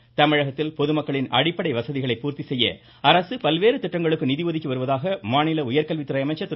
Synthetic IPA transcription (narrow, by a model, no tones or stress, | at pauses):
t̪ɐmɪɻɐɣɐt̪ːɪlpɔðɯmɐkːɐɭɪnʔɐ̰ɽɪpːɐɽɐɪʋɐsɐðɪɣɐɭɐɪpːuːɾt̪isɛjːɐ̰ | ɐɾɐsɯpɐlʋeːɾɯt̪ɪʈːɐŋɡɐɭɯkːɯnɪðɪʋɐðɪkːiʋɐɾɯʋɐðaːɣɐmaːnɪlɐʊjɐɾkɐlʋɪt̪ːɪɾɐɪɐmɐt͡ʃɐt̪